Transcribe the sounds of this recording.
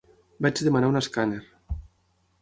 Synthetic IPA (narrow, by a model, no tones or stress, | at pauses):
bat͡ʃðemanaunaskaneɾ